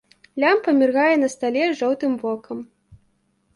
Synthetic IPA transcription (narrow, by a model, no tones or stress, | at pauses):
lʲampɐmʲirɣajɛnɐst̪alʲɛʐɔwt̪ɨmbɔkʰɐm